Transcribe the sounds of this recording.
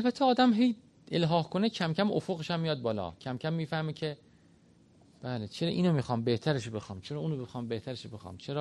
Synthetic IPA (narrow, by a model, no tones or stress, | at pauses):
ælbæt̪ʰːeɒːd̪æmɦej | elɦɒːhkʰonecʰæmcʰæmo̰foɣeʃæmːijɒd̪̚bɒːlɒ̰cʰæmcʰæmːiːfæhmecʰe | b̥æːlet͡ʃʰeɾɒːʔiːnomiːxɒːmbe̞ht̪ʰæɾeʃobe̞xɒːmt͡ʃʰeɾɒːuːnobexɒːmbe̞ht̪ʰæɾeʃobe̞xɒ̰ːmt͡ʃʰeɾɒː